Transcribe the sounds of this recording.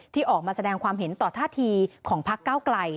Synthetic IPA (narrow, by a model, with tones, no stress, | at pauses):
t̪ʰiː˥˩ʔɔː˨˩k̚maː˧sa˧dɛː˧ŋkʰwaː˧mɦe˩˦nt̪ɔː˨˩t̪ʰaː˥˩t̪ʰiː˧kʰɔː˩˦ŋpʰa˦˥kːaː˥˩wkla˧j